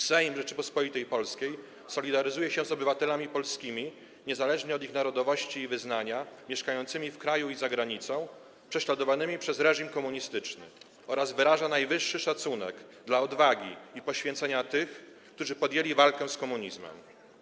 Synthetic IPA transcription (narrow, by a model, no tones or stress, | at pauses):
sɛjmʐɛt͡ʂɘpɔspɔlit̪ɛjpɔlskʲej | sɔlʲid̪aɾɘzujɛɕɛ̃zɔbɘvat̪ɛlamʲipɔlskʲimʲi | ɲɛzalɛʐɲɛɔd̪ixnaɾɔd̪ɔvɔɕt͡ɕiːvɘznaɲamʲjɛʂkajɔnt̪sɘmʲifkɾajuizaɡɾaɲit̪sɔ̃w̃ | pʂɛɕlad̪ɔvanɘmʲipʂɛzɾɛʐimkɔmuɲist̪ɘt͡ʂnɘ̰ | ɔɾazvɘɾaʐanajvɘʂːɘʂat̪sunɛ̰ɡ | d̪laɔd̪vaɡʲḭipɔɕfʲjɛ̃nt̪sɛɲat̪ɘx | kt̪uʐɘpɔd̪jelʲivalkɛ̃skɔmuɲizmɛ̰m